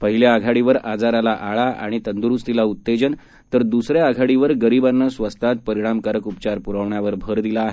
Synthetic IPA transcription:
pəɦiljaaɡʱaɽiʋəɾad͡zaɾalaʔaɭaa̰ɽ̃it̪ənd̪uɾust̪ilaut̪ːed͡ʑən | t̪əɾd̪usɾjaaɡʱaɽiʋəɾɡəɾibanːəsʋəst̪at̪̚pəɾiɽ̃amkəɾəkupt͡ɕaɾpuɾəʋɳjaʋəɾbʱəɾd̪ilaːɦe

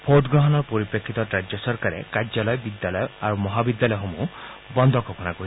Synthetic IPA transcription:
pʰoʈɡɾɔɦɔnɔɾpoɾipɾekʰːit̪ɔɾad͡ʒjɔsɔɾkaɾḛkad͡ʒalɔjɔbid̪jalɔjɔaɾumɔɦabid̪jalɔjɔɦomu | bɔnd̪ʱɔkɔpɔnakoi

